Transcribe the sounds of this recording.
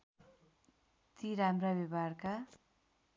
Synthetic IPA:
t̪iɾamrabebarka

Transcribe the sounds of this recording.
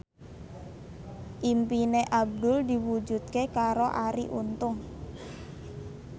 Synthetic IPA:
ʔimpineʔab̚d̪ʊld̪iwud͡ʒṳt̪̚kekaɾoʔaɾḭʔṵnt̪ʊŋ

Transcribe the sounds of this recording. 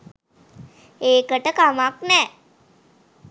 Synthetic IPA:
eːkəʈəkamaknɛː

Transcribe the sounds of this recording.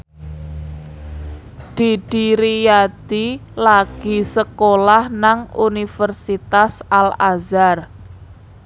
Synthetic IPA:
d̪̥i̤ɖ̥iɾijad̪̥ilaɡ̥i̤səkolahnaŋunifərsit̪asalazar

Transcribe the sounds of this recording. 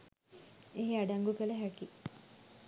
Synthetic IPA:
eɦeaɖaŋɡukəlɐɦæki

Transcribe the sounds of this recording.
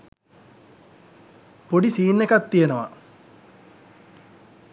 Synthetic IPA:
poɖisiːnːekat̪ːijenəʋa̰

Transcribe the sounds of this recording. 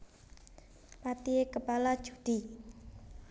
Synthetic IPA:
pat̪iekəpalḁʒ̥ṳd̪̥i̤

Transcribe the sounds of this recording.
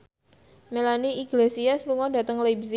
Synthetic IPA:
melaniiɡlesiasluŋɔda̤t̪əŋlebsi

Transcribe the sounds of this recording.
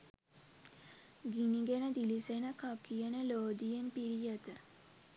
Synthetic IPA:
ɡiniɡenəd̪ilisenəkakijənəloːd̪ijenpiɾijət̪ə

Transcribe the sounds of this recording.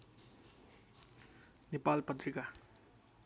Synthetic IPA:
nepalpʌt̪ɾika

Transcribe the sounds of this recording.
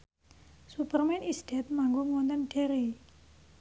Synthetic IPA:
supərmɛnisdɛt̪̚maŋɡuŋwɔnt̪ɔnɖeɾi

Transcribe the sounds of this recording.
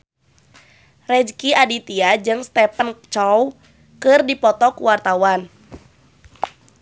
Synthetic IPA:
rɛd͡ʒkiadit̪iad͡ʒɨŋst̪ɛpənt͡ʃɔw | kɨrdipɔt̪ɔkuwart̪awan

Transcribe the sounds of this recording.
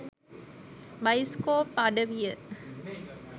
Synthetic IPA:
bajskoːpaɖəʋijə

